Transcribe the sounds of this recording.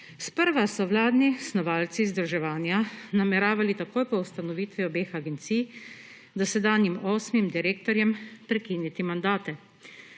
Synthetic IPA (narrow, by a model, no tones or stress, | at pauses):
spəɾʋasɔʋlaːd̪nisnɔʋaːlt̪sizd̪ɾuʒɛʋaːnjanamɛɾaːʋalit̪akoːjpɔust̪anɔʋiːt̪ʋiɔbeːxaɡɛnt̪sij | d̪asɛd̪aːnjimoːsmimd̪iɾeːkt̪ɔɾjɛmpɾɛkiːnjit̪imand̪aːt̪ɛ